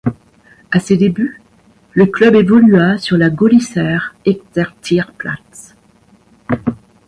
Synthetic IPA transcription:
ased̪eby | ləklœbevɔlyasyʁlaɡɔlisɛʁɛk̚t̪ɛʁt̪ʰiʁpla̰t̪

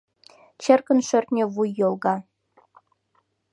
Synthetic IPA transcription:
t͡ɕerkə̆nʃørt̪nʲĕβujːolˠɣɑ

